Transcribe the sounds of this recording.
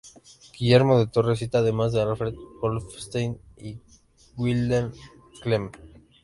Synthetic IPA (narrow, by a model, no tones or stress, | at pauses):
ɡ̥iʝeɾmo̞ðet̪o̞res̬it̪aːðe̞mazðealfɾeðpolfst̪ejni | ɡwild̪an | klem